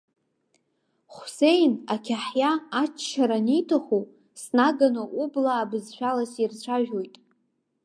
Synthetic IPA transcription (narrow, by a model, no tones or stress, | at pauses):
χʷse̞jnakʲʰaħjaːt͡ʃːʰaɾanijtʰaχu | snaɡanɨʔublaːbɨzʃʷᶣalasirt͡ɕʷʰaʒᶣo̞jtʼ